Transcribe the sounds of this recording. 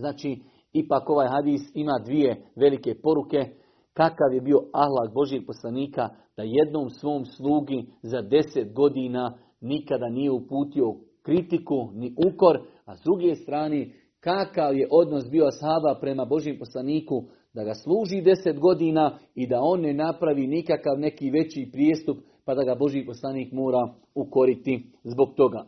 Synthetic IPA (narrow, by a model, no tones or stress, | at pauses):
znaːt͡ʃiː | ipaːko̞ʋaːjɦad̪iːsimaːd̪ʋije̞ʋe̞like̞po̞ɾuke̞ | kakaʋje̞bio̞ahlˠak̚bo̞ʒjeɡ̥̚po̞slˠaniːka | d̪̥aje̞d̪no̞ːmsʋo̞ːmslˠuːɡizad̪e̞se̞t̪ɡo̞d̪iːnaː | nikad̪anije̞upuːt̪io̞ | kɾit̪ikuniʔuko̞ɾ | azd̪ɾuɡe̞ːst̪ɾaːneː | kakaʋje̞ʔo̞d̪no̞s̬biːoshabapɾe̞mabo̞ʒjempo̞slˠaniːku | d̪aɡaslˠuːʒiːd̪e̞se̞t̪ɡo̞d̪iːnaːid̪ao̞ːnːe̞napɾaʋiːnikakaʋne̞kiːʋe̞t͡ɕiːpɾjeːst̪up | pad̪aɡabo̞ʒjiːpo̞slˠaniːkmo̞ːɾa | uko̞ɾit̪i | zbo̞ɡ̚t̪o̞ɡaː